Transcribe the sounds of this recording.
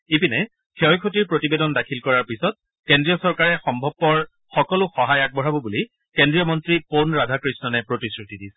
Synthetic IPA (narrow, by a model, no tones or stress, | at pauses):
ipinɛ | kʰeɔjkʰotiɹpɹotibedɔndakʰilkɔɹaɹpisɔt̚ | kendɹijɔsɔɹkaɹɛxɔmbʱɔb̚pːɔɹ | xɔkɔlʊxɔɦajak̚bɔɹabɔbuli | kendɹijɔmɔntɹiponɹadʱakɹisnɔnɛpɹotisɹutidis